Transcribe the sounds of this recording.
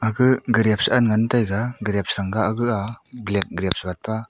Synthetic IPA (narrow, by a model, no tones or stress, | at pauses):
aɡɯɡɯɾijap̚sanŋantajɡaɡɯɾjap̚sɾaŋɡaːɡɯablek̚ɡɾap̚sbat̚pʰa